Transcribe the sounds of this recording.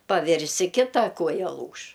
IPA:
pɐˈʋʲɪrʲsʲɪ ˈkʲɪtɐ ˈkuɔjɛ ˈlˠuːʃ

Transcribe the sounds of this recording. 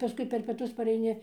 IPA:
pɐˈskʊɪ pʲɛr pʲiɛˈtʊs pɐrʲɛɪˈnʲɪ

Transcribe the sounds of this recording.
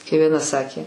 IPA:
kɐɪ ʋʲiɛˈnɐ ˈsɑːkʲeː

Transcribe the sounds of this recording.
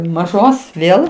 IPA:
mɐˈʒoːs ˈʋʲeːlˠ

